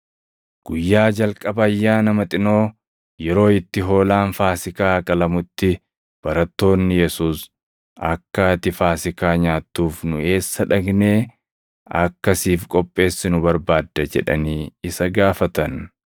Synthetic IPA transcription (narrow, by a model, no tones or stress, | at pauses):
ɡ̥ʊjːaːd͡ʒɐlkʼɐbɐːjːaːnɐmɐt̪ʼɪno̞ː | jɛɾo̞ːɪt̪ːɪɦo̞ːlaːnfaːsɪkaːkʼɐlɐmʊt̪ːɪ | b̥ɐɾɐt̪ːo̞ːnːɪjɛsuːs | ɐ̰kːat̪ɪfaːsɪkaːɲaːt̪ːuːfnʊe̞ːsːɐᶑɐɡne̞ː | ɐ̰kːɐsiːfkʼɔpʼːe̞ːsːɪnʊbɐɾbaːd̪ːɐd͡ʒɛ̰ᶑɐ̰niːɪsɐɡaːfɐt̪ɐn